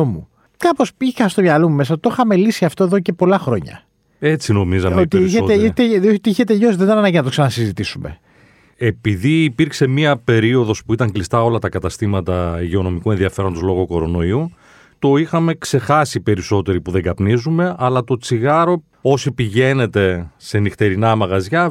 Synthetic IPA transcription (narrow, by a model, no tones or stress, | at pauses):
omṵ | kɐpo̞sixɐst̪omɲɐlomume̞s̬ɐt̪oxɐme̞lisiɐft̪oeðo̞cepo̞lɐxɾo̞ɲɐ̰ | e̞t͡sino̞mizɐmot̪iiseet̪eot̪iiçet̪eʎo̞siðet̪ɐnɐnɐɲɟinɐt̪oksɐnɐnɐsizit̪isumḛ | e̞piðiːpiɾkse̞miɐpe̞ɾio̞ðo̞spuit̪ɐŋɡlist̪ɐo̞lɐt̪ɐkɐt̪ɐst̪imɐt̪ɐʝeo̞no̞mikue̞nðiɐfe̞ɾond̪o̞zlo̞ɣo̞ko̞ɾo̞no̞iu | t̪o̞ixɐme̞kse̞xɐsipe̞ɾiso̞t̪e̞ɾipuðe̞ŋɡɐpnizume̞ɐlɐt̪o̞t͡siɣɐɾo̞ | o̞sipiʝe̞ne̞t̪e̞se̞nixt̪e̞ɾinɐmɐɣɐzʝɐ